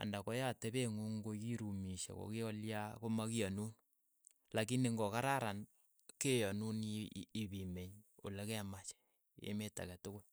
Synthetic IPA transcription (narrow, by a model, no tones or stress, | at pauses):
a̰ndakojatebeŋuŋɡokiɾumiʃḛko̰kiɔljakomakijanun | lakineŋɡɔkaɾaɾan | kejɔnunibimeɲo̰lekɛmat͡ʃɛ̥ | ḛmeta̰kɛtʊkʊl